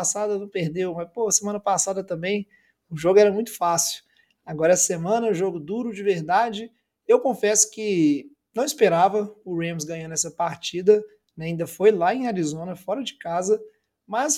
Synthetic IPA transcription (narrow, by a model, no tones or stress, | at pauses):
sad̪ɐnɐ̃peɾd̪ewmɐspohɐsemɐ̃nɐpasad̪ɐt̪ɐ̃mbẽj̃ | ʊʒoɡʊɛɾɐmũj̃t̪ʊ̥fasiw | aɡɔɾɐɛsɐ̥semɐ̃nɐʊʒoɡʊd̪uɾʊd͡ʒɪveɾd̪ad͡ʒɪ | ewkõfɛsʊ̥kɪ | nɐ̃w̃ispeɾavɐʊɾẽmzɡɐ̃ɲɐ̃nɛsɐpaɾt͡ʃid̪ɐ | nɛaĩnd̪ɐfojlaẽj̃aɾizõnɐfɔɾɐd͡ʒɪkazɐ | mɐs